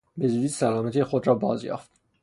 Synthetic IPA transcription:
bed͡ʒiːd̪iːd̪sælɒːmæt̪ʰiexod̪ɾɒːbɒːzjɒ̰ːft̪

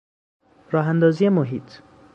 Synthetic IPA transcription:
rɔɦand̪ɔzijemoɦit̪

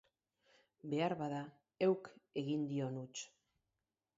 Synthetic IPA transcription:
be̞aɾβaða | e̞wke̞ɣind̪io̞nut͡ʃ

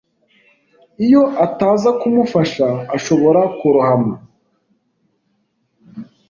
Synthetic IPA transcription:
ijo̞ʔataːzakumufaʃaːʃo̞βo̞ɾakuɾuhamo

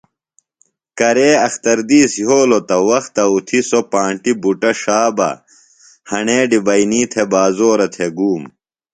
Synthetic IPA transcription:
kɐɾeːɐxt̪ɐɾd̪iːsɦoːlot̪ɐwɐxt̪ɐut̪ʰisopãːɳʈibuʈɐʂaːbɐ̰ | hɐɳeːɖibɐiniːt̪ʰebaːzoːɾɐt̪ʰeɡuːm

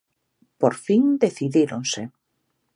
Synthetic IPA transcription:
poɾfiŋd̪eθiðiɾõnse

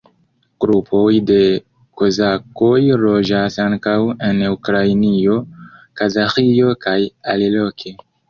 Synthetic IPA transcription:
ɡ̥ɾupʰo̞jde̞ | kozako̞jɾo̞d͡ʒasaŋkawe̞nukɾajnio̞kazaxio̞kajalilo̞kʰe

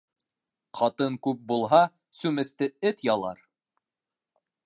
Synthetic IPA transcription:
qɑt̪ɤŋkʉp̚bulˠɦɑ | sʉmɘ̆st̪ɘɘt̪jɑlˠɑ̰ɾ

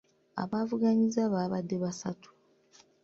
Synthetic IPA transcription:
a̰βaːvuɡaɲizaβaːβadːe̞βasatʰu̥

